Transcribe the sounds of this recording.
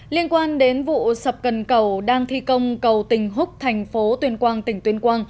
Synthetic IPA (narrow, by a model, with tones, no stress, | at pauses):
li˧ənkwaː˧nɗe˨˦nvṵ˧˨sə˨˩p̚kə˨˩nkə˧˩wɗaː˧ŋt̪ʰi˧kə˧wŋ͡mkə˨˩wt̪ï˨˩ŋ̟ɦʊ˦˥k͡p̚t̪ʰɛ˨˩jŋ̟fo˨˦t̪wi˧ənkwaː˧nt̪ï˧˩ŋ̟t̪wi˧ənkwaː˧n